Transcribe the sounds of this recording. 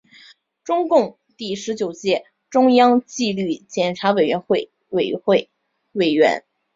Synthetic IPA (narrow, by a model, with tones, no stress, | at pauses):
ʈ͡ʂʊ˥ŋkʊ˥˧ŋ | t̪i˥˩ʂɻ̩˧˥t͡ɕjo˨˩ʊt͡ɕjɛ˥˩ | ʈ͡ʂʊ˥ŋjɑ˥ŋt͡ɕi˥˧ly˥˩t͡ɕjɛ˨˩nʈ͡ʂʰa˧˥we˨˩ɥɛ˧˥nxwe˥˩ɪ | we˨˩ɪxwe˥˩ɪ | we˨˩ɪɥɛ̰˧˥n